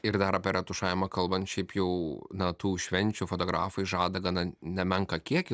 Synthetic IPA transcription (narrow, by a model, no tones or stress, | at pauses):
ɪɾd̪ɐɾɐpʲɛɾʲʔɛt̪ʊʃɑːɪɪmɐkɐlˠbɐnt̪ʃʲɛɪpjɛʊnɐt̪uːʃʲʋʲɛnʲt͡ʃʲufoːt̪oːɡɾɑ̰ːfɐɪʒɑːd̪ɐɡɐnɐnʲɛmʲɛŋkɐkʲiɛkʲɪ